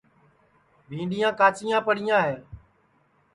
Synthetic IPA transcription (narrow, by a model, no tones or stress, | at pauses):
bʱĩːɳɖijãːkaːt͡ʃɪːjãːpəɽɪjãːɦeː